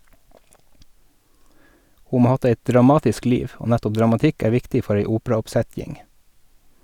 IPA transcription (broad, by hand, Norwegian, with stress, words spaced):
ˈhuː ˈmoː ˈɑː ˈɑt ˈeɪtd ɾɑˈmɑːtɪsk ˈliːʋ ˈoː ˈnætɔp dɾɑmɑˈtɪk ˈæː ˈʋɪktɪ ˈfɔɾ ˈeɪ ˈuːpɾɑɔpˌsɛtjɪŋ